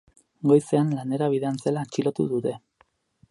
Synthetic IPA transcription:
ɡo̞jse̞anlane̞ɾaβ̞iðeant͡se̞lat͡ʃilo̞t̪ṵðut̪e̞

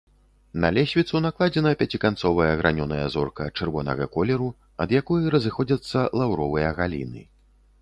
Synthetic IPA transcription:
nɐ̰lʲɛsʲvʲit̪sunaklˠad͡zʲɛnɐpʲat͡sʲikant̪sɔvɐjɐɣɾʔanʲɔnɐjɐzɔrkɐt͡ʂɨrvɔnɐ̰ɣɐ̰kɔlʲɛɾu | ɐd̪jakɔjɐɾɐzɨxɔd͡zʲɐt̪sːɐlˠawɾɔvɨjɐɣalʲḭnɨ̰

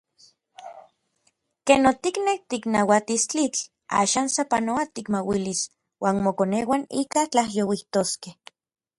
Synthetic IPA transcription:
kenot̪iknek̚t̪iknawat̪ist͡ɬit͡ɬ | a̰ːʃaːnsapanoat̪ikmawilis | waːnmokonewanḭːkat͡ɬahjowiht̪oskeh

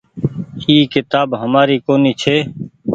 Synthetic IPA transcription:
iːkɪt̪aːbɦəmaːɾiːkoːniːt͡ʃʰeː

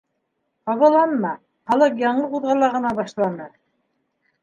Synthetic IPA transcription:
qɑβɤ̆lˠɑnmɑ | χɑlˠɤqjɑɴɤquðʁɑlˠɑʁɤ̆nɑbɑʃlˠɑnɤ

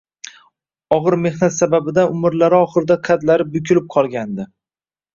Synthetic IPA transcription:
ɒʁɨɾme̞hnat̪sababɪd̪aʊmɪɾlaɾɪɒχɨɾɪd̪aqʰad̪laɾɪbʊkʲʰʊlɪp̚qʰɒlˠɡʲand̪ɪ

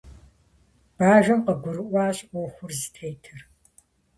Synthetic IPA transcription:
b̥aːʒɐmqəɡʷʊɾɨʔʷɑːɕʼʔʷɔxʷʊrzɨtʰejtʰɨr

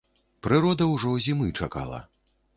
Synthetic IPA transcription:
pɾɨɾɔd̪ɐwʐɔzʲimɨt͡ʂaka̰lˠɐ̰

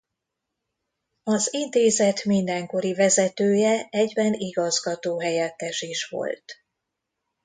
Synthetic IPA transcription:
ɒzint̪eːzɛt̪mind̪ɛŋko̞ɾivɛzɛt̪øːjɛɛɟbɛniɡɒzɡɒt̪oːɦɛjɛt̪ːɛʃiʃʋo̞̰lt̪

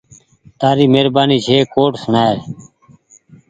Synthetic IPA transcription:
t̪aːɾiːmeːɾbaːniːd͡ʒʰʱeːkoːʈsnaːɾ

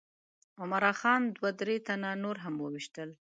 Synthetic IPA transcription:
ʊmaɾɑxɑnd̪wad̪ɾet̪ananoɾɦamwəwiʃt̪əl

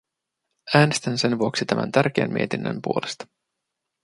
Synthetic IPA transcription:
æːnest̪ænse̞nʋuoksit̪æmʔæ̰nt̪ærk̟eːnmḭet̪inːə̰mpuolest̪ɑ̥

